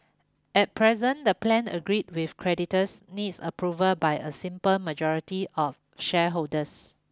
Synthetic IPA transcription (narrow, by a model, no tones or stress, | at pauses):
ɛt̚pʰɹɛzə̃ndəplɛ̃nə̰ɡɹit̚wifkʰɹɛditəsnitsəpʰɹuvəlbajʔəsĩmpəlməd͡ʒɔɹitiʔɔf | ʃɛɦoldəs